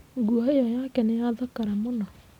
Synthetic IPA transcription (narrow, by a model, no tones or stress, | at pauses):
ŋɡuɔejɔjakɛnejaðakaɾɛmonɔ